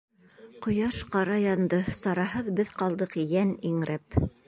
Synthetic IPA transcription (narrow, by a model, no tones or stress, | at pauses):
qŏjɑʃqɑɾɑjɑnd̪ɤsɑɾɑɦɤðbɘðqɑlˠd̪ɤqjæniŋɾæp